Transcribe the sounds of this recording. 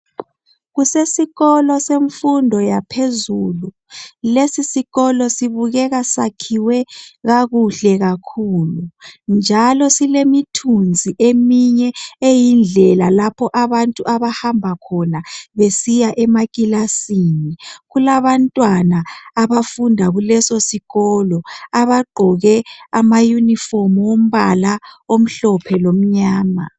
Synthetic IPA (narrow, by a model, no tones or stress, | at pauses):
ɣusesiɣɔlɔseɱfundʱɔjapʰezuːlu | lesisiɣɔlɔsiβuɣɛɣasakʰiwɛɣaɣuɬɛɣakʰuːlund͡ʒʱalɔsilemitʰund͡zʱiʔemiɲɛejind͡ɮʱɛlalapʰɔʔaβantʼuʔaβahambʱakʰɔnaβesijaʔɛmakʼilasiniɣulaβantʼwanaːβafundʱaɣulɛsosiɣɔːlɔaβaɡ͡ǃʱɔɣɛamajunifɔrmwom̩βalaom̩ɬɔpʰɛlom̩ɲaːma̰